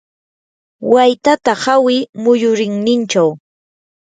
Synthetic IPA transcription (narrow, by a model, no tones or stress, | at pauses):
wajt̪at̪ahawɪmʊjʊɾɪŋnɪnt͡ʃaw